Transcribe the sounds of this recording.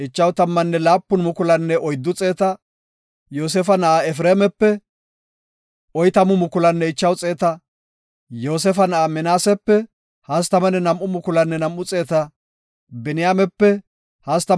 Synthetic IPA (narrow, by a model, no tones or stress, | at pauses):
ɪt͡ʃːɐwt̪ɐmːɐnːɛlaːpːʊnmʊkʊlɐnːɛʔɔjd̪ːʊt͡sʼe̞ːt̪ɐ | joːs̬ɛfɐnɐʔaɛfɾeːmɛpːɛ | ʔɔjt̪ɐmʊmʊkʊlɐnːɛɪt͡ʃːɐwt͡sʼe̞ːt̪ɐ | jo̞ːs̬ɛfɐnɐʔamɛnaːsɛpːɛ | hɐst̪ɐmɐnɛnɐmːʊmʊkʊlɐnːɛnɐmʔːʊt͡sʼe̞ːt̪ɐ | bɛnɪjaːmɛpːɛ | hɐst̪ɐ